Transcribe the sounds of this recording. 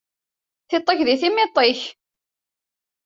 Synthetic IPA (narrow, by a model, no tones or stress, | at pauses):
θɪt̪ˤːəçðiθimɪt̪ˤːɪç